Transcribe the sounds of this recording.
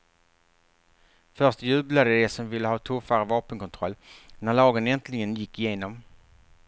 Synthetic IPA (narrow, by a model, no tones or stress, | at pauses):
fœʁʂtjʉ̟ːblad̪əd̪ɛsɔmvɪlːəhɑːt̪ʰɵfaɾəvɑːpənkɔnt̪ʰɾɔlːnæɭɑːɡənɛnt̪ʰlɪɡənjɪkːɪjeːnɔm